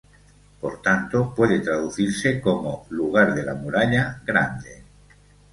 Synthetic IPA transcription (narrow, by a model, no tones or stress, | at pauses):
po̰ɾt̪ant̪opwe̞ð̞et̪ɾaðuθiɾsekomoluɣ̞aɾðela̰muɾaʎaɣɾand̪e